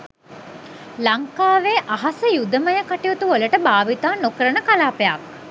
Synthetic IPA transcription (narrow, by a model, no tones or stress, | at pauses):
laŋkaːʋeʔaɦasəjud̪əməjəkaʈiot̪uoləʈəbaːʋit̪aːnokəɾənəkalaːpejak̚